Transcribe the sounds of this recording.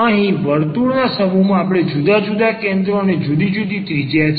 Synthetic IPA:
əɦĩʋəɾt̪uɽnasəmumãapɽ̃ed͡ʒud̪ad͡ʒud̪akẽnd̪ɾoned͡ʒud̪id͡ʒud̪it̪ɾid͡ʒjat͡ʃʰ

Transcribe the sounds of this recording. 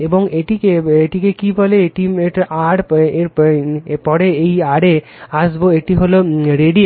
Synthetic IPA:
eboŋeʈikeeʈikekibɔleeʈieʈʔaɽeɾ | pɔɾeejaɽe | aʃboeʈiɦoloɾeɖi

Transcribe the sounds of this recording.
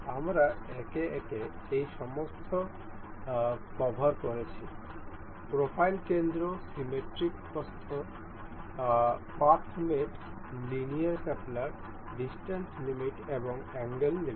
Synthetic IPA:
amɾaɛkeʔɛkeejʃɔmost̪ʰo | kɔbʱaɾkɔɾet͡ɕʰi | pɾopʰajlkend̪ɾosimeʈɾikkɔst̪ʰo | paɾt̪ʰmeʈ | linijaɾkaplaɾ | ɖisʈanslimiʈeboŋɛŋɡəlli

